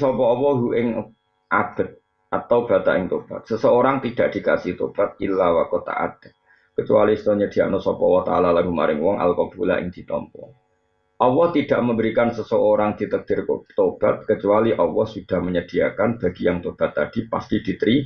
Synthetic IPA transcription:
sɔpɔɔwɔɦuʔɪŋ | ʔab̥ət̪̚ | at̪awb̥at̪a̰ʔɪŋt̪ob̥a̰t̪̚səsəoɾaŋt̪id̥aʔd̥ika̰sɪht̪o̰b̥at̪̚ilːawakot̪a̰ʔa̰d̥ə̥ | kət͡ʃua̰list̪oɲəd̥iaʔnɔsɔpɔwɔt̪a̰lalaɡuma̰ɾɪŋwɔŋʔa̰lkob̥ula̰ʔɪ̰ŋd̥it̪ɔ̰mpɔ̰ | ʔɔwɔht̪id̥aʔməmbəɾikansəsəoɾaŋd̥it̪ək̚d̥ɪrkt̪ob̥at̪̚kət͡ʃualiʔɔwɔhsud̥ahməɲəd̥iakanb̥aɡ̥ijaŋt̪ob̥at̪ːad̥ipast̪id̥it̪ɾi

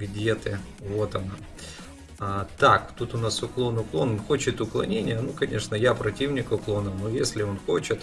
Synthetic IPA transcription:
ɡdʲet̪ɨ | vo̞t̪ɐna | t̪akt̪ut̪ʊnasʊklˠo̞nʊklˠo̞nxo̞t͡ɕɪt̪ʊklˠɐnʲenʲɪjənukɐnʲe̞ʂnəjapɾɐtʲivnʲɪkʊklˠonɨnojesʲlʲɪo̞nxo̞t͡ɕɪt̪

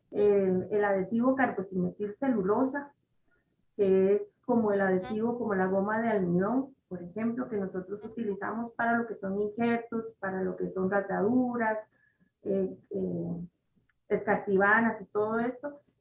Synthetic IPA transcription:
eelað̞e̞siβo̞kaɾɣosinosilse̞lulo̞sa | keesko̞mo̞e̞laðe̞siβo̞ko̞mo̞laɣo̞maðealmjo̞ŋpo̞ɾexe̞mplo̞ke̞no̞so̞t̪ɾo̞sut̪ilisa̰mo̞spaɾalo̞ke̞so̞ŋiŋxe̞ɾt̪ospaɾalo̞ke̞so̞nrrat̪jað̞uɾas | ee | eskaɾt̪iβ̞anasit̪o̞ðo̞e̞st̪o̞

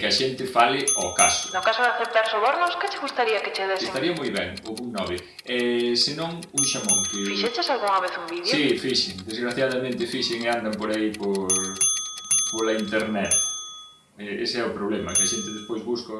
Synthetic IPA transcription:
kɪaʃent̪ɪfalɪɔkasʊ̥nʊkasʊðaθep̚t̪aɾsoβoɾnʊskɪt͡ʃɪɣust̪aɾiɐkɪt͡ʃeðesest̪aɾiɐmojβɛŋoɣuŋnɔβɪ | ɛsɪnõŋ | uŋʃamõŋkefiʃet͡ʃesalɣuŋɐβeθuŋbiðsjsifiʃɪŋd̪ezɣɾaθjaðɐmẽnt̪ɪfiʃɪŋeand̪ɐmpoɾaipoɾ | polaint̪eɾnɛt̪̚ | ɛesɪɛʊpɾoβlɛmɐkɪɐaʃent̪ɪðespojzβusko

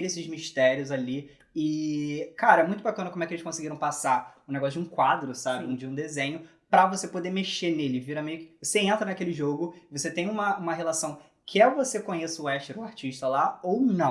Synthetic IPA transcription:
ɾesɪzmiʃt̪ɛɾiʊzali | ɪkaɾɐɛmũj̃t̪ʊbakɐ̃nɐkõmʊɛkelɪsʃkõsɪɡiɾɐ̃w̃pasaʊ̃neɡɔsʊd͡ʒɪũkwad̪ɾʊsabɪũd͡ʒɪũd̪ezẽɲʊ | pɾɐvosepod̪emeʃenelɪviɾɐmejʊkɪvoseẽnt̪ɾɐnakelɪʒoɡʊɪvoset̪ẽj̃ũmɐũmɐɦelasɐ̃w̃ | kʰɪɛvosekõɲesʊɛʃt̪eɾuaɾt͡ʃiʃt̪ɐlaownɐ̃w̃

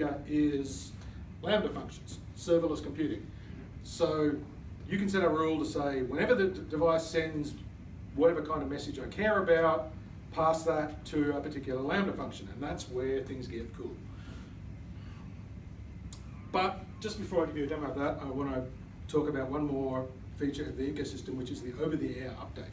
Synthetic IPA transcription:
ɨʔɪz̥ | læ̃ndəfʌ̃ŋkʃn̩z̥ | sɜ˞vəlˠəskmpʰj̥ʉɾɪ̰̃ŋ | soʊ | jɨkɨ̃n̩s̬ɛɾəɹulˠtəseɪwə̃nɛvə˞ðɨdɨvaɪsɛ̃nz | wʌɾɛvə˞kʰãɪ̃ndʌvmɛsɨd͡ʒaɪkʰɛɹɨbaʊt̚ | pʰæsðɨtʰɨːpə˞tʰɪkjl̩ˠə˞læ̃ʊ̃ndəfʌ̃ŋkʃɨ̃nɨ̰̃nðætswə˞θɪ̃ŋzɡɛt̪̚kʰṵlˠ | b̥ʌt̚d̥ʒ̥ʌsb̥ɨfɔɹaɪɡɨvɨɨdʌ̃ʊ̃vðæɾa̰ɪwɑ̃ñɨ | tʰɔkɨbaʊt̚wʌ̃nmɔɹ | fit͡ʃə˞ʌvðiikoʊsɪstɨ̃mwɨt͡ʃɨzðiʔoʊvə˞ðiɛʌ̰p̚d̥eɪt̚

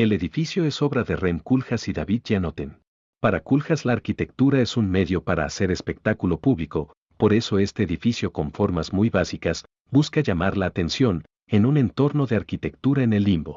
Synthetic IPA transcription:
e̞le̞ðifisjo̞e̞so̞βɾaðe̞remkulxasiðaβid̪̚ʝanot̪en | paɾakulxazlaːɾkit̪e̞k̚t̪uɾae̞sunme̞ðjo̞paɾa̰ːse̞ɾe̞spe̞k̚t̪akulo̞puβliko̞ | po̞ɾe̞so̞e̞st̪e̞ːðifisjo̞ko̞ɱfo̞ɾmazmujβasikas | buskaʝamaɾlaːt̪e̞nsjo̞n | e̞nune̞nt̪o̞ɾno̞ðe̞aɾkit̪e̞k̚t̪uɾaene̞lːimbo̞

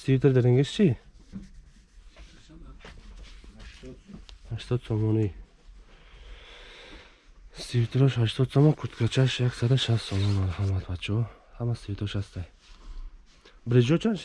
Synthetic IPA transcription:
sivit̪ʰeɾd̪eɾeŋɡeʃt͡ʃʰi | haʃt̪ʰɔd̪sɔmɔni | sivit̪ʰɾɔʃhaʃt̪ʰɔd̪sɔmɔnkʰut̪kʰat͡ʃʰaʃjaksad̪aʃast̪sɔmɔnmaɾhamat̪vat͡ʃʰɔ | hamasivit̪ʰɾɔʃhast̪aj | bɾid͡ʒɔt͡ʃʰanʃ

